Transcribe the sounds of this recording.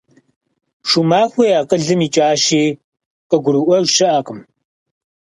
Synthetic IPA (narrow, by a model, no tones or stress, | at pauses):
ʂumaːxʷejaːqəɮɨmiːt͡ʃʼaːʃiː | qʼəɡʷʊɾɨʔʷɔʒʃɪʔaːqəm